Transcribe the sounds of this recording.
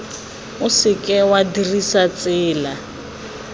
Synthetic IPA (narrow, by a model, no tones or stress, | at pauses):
ʊsɪkʼɛwadirisat͡sʼɪːla